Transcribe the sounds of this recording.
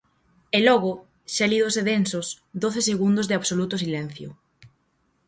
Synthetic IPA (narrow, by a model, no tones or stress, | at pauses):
elɔɣʊ | ʃaɛliðoseðensos | d̪oθeseɣund̪ozðeaβsolut̪ʊs̬ilɛn̟θjo̰